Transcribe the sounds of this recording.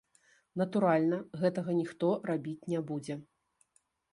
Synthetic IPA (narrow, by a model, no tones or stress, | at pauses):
nɐt̪uɾalʲnɐɣɛt̪ɐɣɐnʲixt̪ɔrabʲit͡sʲnʲɛbud͡zʲɛ